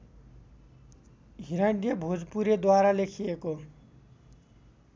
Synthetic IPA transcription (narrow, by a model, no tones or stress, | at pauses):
ɦiɾaɳɖijʌbʱod͡zpuɾed̪waɾalekʰieko